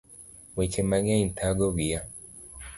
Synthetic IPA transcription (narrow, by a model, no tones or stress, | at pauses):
wet͡ʃemaŋaintʰaɡoɡija